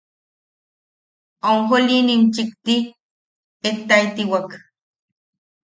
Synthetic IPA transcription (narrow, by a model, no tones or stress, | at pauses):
auŋxolinint͡ʃikt̪i | et̪ait̪iwak